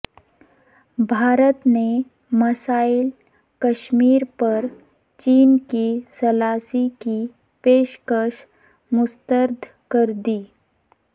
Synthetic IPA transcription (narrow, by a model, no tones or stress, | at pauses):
bʱaːɾət̪ne | məsail | kəʃmiːɾpəɾ | t͡ʃiːnkisəlasiki | peːʃkəʃ | mʊst̪əɾd̪ʱ | kəɾd̪iː